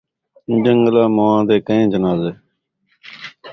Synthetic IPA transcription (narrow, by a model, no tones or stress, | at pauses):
d͡ʒə̃ŋɡəlaːmoːãːd̪eːkəẽːd͡ʒənaːzeː